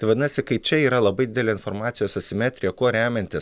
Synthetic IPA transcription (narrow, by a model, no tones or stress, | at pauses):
ɐɪʋɐd̪ʲɪnɐsʲɪkɐɪt͡ʃʲɛiːɾɐlˠɐbɐɪd̪ʲɪd̪ʲɛlʲeːɪnfoɾmɑːt̪ʲɪjoːsɐsʲɪmʲæːt̪ʲɾʲɪjɛkoːɾʲæːmʲɛnʲt̪ʲɪst